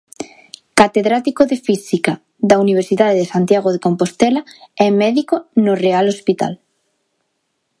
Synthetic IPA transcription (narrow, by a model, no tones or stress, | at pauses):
kat̪eðɾat̪ikoðefisika | ðauniβ̞eɾsiðaðeðesant̪jaɣoðekompost̪ɛlaɛmɛðikonorealospit̪a̰l